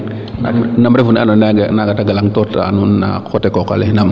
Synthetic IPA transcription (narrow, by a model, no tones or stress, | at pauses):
nnamɾevunanonaɡnaɡataɡalaŋtɔta̰nuna̰kotɛkɔka̰lenam